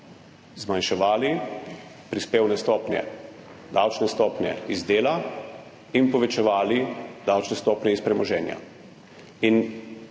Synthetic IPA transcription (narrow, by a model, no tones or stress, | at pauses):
zmanʃɛʋaːli | pɾispeːwnɛst̪ɔːpnʲjɛ̰ | d̪awt͡ʃnɛst̪ɔːpnjɛ̰izd̪eːla | inpɔʋɛt͡ʃɛʋaːlid̪awt͡ʃnɛst̪ɔːpnʲjɛispɾɛmɔʒɛːnja̰ | in